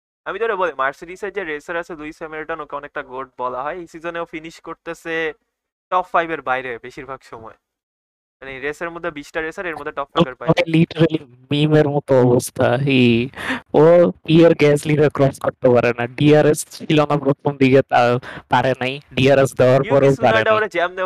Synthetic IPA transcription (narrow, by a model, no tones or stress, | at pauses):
amit̪oɾebolimaɾsiʈised͡ʑeɾeseɾasʰed̪ujsemeɾiʈanokɛmonɛk̚ʈaɡoɖ̚bɔlaɦɔeisizoneofiniʃkoɾt̪ese | ʈɔpfajbeɾbajɾebeʃiɾbʱaɡʃɔmɔe | maniɾeseɾmod̪ʱːebiʃʈaɾesaɾeɾmod̪ʱeʈɔpfabeɾaɔeliʈeɾali | mimeɾmɔt̪oɔbost̪ʰaɦi | opieɾɡɛsliɾakɾɔskoɾt̪epaɾenaɖiaɾest͡ɕʰilonapɾot̪ʰomd̪iɡet̪apaɾenajɖiaɾesd̪ɛoaɾpɔɾeopaɾeoɾed͡ʑɛmd̪e